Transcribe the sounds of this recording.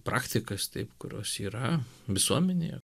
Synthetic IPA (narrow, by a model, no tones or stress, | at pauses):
pɾʔɑːkt̪ʲɪkɐst̪ɐɪpkʊɾʲo̰ːsiːɾɐʋʲɪsuɔmʲɛnʲɪjɛ̰